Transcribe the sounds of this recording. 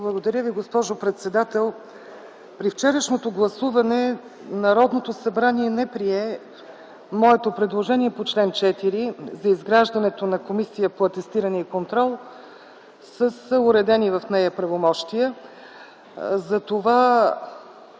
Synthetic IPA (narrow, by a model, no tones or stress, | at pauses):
blˠəɡod̪ɐɾʲjəviɡospɔʒopɾɛt̪sɛd̪at̪ɛlˠ | pɾift͡ʃɛɾəʃnot̪oɡlˠɐsuvɐnɛ | nɐɾɔd̪not̪osɐbɾaniɛnɛpɾiɛ | mɔɛt̪opɾɛd̪lˠoʒɛniɛpot͡ʃlɛnt͡ʃɛt̪iɾizɐizɡɾaʒd̪ɐnɛt̪onɐkomisijəpoɐt̪ɛst̪iɾənɛikont̪ɾɔlˠ | səsəʊɾɛd̪ɛnivɐfnɛjəpɾɐvomɔʃt̪iə | zɐt̪ova